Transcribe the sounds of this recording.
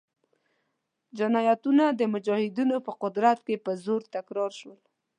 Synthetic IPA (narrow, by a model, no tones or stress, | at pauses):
d͡ʒɪnɑjat̪unad̪əmʊd͡ʒɑhɪd̪inopəqʊd̪ɾat̪̚kepəzoɾt̪akɾɑɾʃwəl